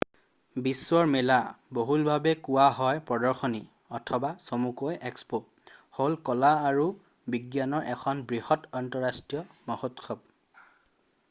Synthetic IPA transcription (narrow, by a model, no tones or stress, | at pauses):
biswɔɹmɛlaboɦulbʱabɛkʊwaɦɔjpɔdɔɹxoni | ɔtʰɔbasomukojɛkspo | holkɔlaːɹu | biɡjanɔɹʔɛkʰɔnbɹihɔtɔntɔɹastɹijɔmɔhotkʰɔb̚